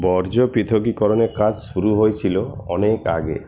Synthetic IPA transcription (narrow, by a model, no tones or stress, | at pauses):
bɔɾd͡ʒɔpit̪ʰoɡikɔɾɔnekad͡ʒsuɾuɦojt͡ʃʰiloɔ̰neka̰ɡḛ